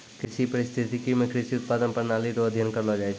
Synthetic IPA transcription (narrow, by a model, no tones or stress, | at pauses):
kɾɪsipəɾɪst̪ʰit̪ikimẽkɾɪsiʊt̪̚paːd̪ənpəɾnaliɾoəd̪ʱjənkəɾlod͡ʒaet͡ʃʰ